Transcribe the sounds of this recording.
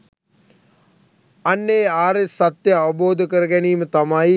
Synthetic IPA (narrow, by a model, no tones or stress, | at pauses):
ɐnːeːaːɾesɐt̪jɐɐboːd̪ʱkəɾɡɐniːmt̪ɐmaːi